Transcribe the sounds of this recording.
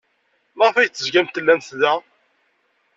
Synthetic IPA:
məʁfæjt͡s̪ːəzɡæmt̪ːəlːænθðæ

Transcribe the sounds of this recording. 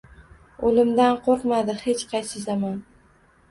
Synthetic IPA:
olɪmd̪anqʰoɾqmad̪ɪhet͡ʃqʰɑjsɪzaman

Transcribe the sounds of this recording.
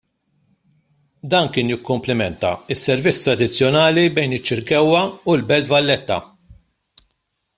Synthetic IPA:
d̪ɐːnkɪːnjɪkːʊmplɪmɛnt̪ɐ̰ɪsːɛɾvɪt͡sːt̪ɾɐd̪ɪt͡sːjɔnɐːlibɛjnɪt͡ʃːɪɾkɛwːɐulbɛlt̪vɐlːɛt̪ːɐ̰

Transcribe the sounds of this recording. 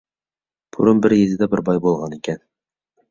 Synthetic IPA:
pʰuɾɤmbɘɾjɘ̆zɘd̪æbɘɾbɑjbolˠʁɑnikæn

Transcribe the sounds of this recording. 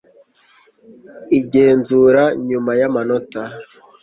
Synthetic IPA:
iɟeːnzuɾaɲumajamanota

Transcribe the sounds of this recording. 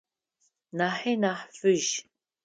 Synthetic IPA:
naħinaħfɨʒ

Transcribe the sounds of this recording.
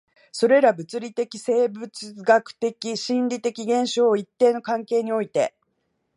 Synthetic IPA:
so̞ɾe̞ɾabɯ̟t͡sɨɾʲit̪e̞kʲise̞ːbɯ̟t͡sɨɡakɯ̟̥t̪e̞kʲiɕĩnɾʲit̪e̞kʲiɡẽ̞ɰ̃ɕo̞ːit̪ːeːno̞kãŋke̞ːɲ̟io̞it̪e̞̰

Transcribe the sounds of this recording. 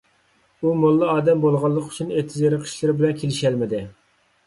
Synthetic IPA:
umolˠːɨɑːd̪ɛmbolˠʁɑlˠːəqy̥t͡ʃʰunet̪ʰɪzeɾɪqʰə̥ʃlˠɨɾɪbɪlɛnkʲʰelɪʃælmɪd̪ɪ

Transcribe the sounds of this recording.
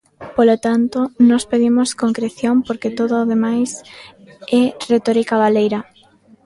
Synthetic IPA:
polot̪ant̪onɔspeðimoskoŋkɾeθjompoɾket̪oðoʊːðemajs | ɛret̪ɔɾikaβalejɾa

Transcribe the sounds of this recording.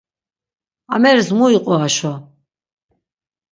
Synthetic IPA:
a̰mɛɾzmuiqʼɔaʃɔ

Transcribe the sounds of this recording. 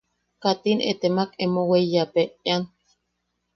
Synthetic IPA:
kat̪inḛt̪emakemoweijapean

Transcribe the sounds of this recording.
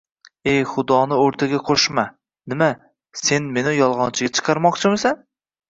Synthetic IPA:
e̞jχʊd̪ɒnɪoɾt̪ʰaɡʲaqʰoʃma | nɪma | se̞nme̞nɪjɒlˠʁɒnt͡ʃʰɪɡʲat͡ʃʰɨ̥qʰɑɾmɒqt͡ʃʰɪmɪsan

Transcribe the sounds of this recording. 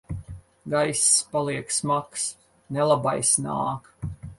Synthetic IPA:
ɡajsspalˠiɛksmaks | nɛlˠabajsna̰ːk

